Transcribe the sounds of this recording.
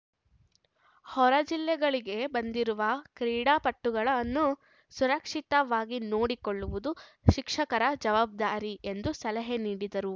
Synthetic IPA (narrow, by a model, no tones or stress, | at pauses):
hɔɾɐd͡ʒilːɛɡɐɭiɡe̞bɐnd̪iɾuʋɐkɾiːɽaːpɐʈːuɡɐɭɐnːu | suɾɐkʂit̪ɐʋaːɡinoːɽikoɭːuʋud̪u | ʃikʂɐkɐɾɐd͡ʒɐʋaːb̚d̪aːɾie̞nd̪usɐlɐɦeniːɽid̪ɐɾu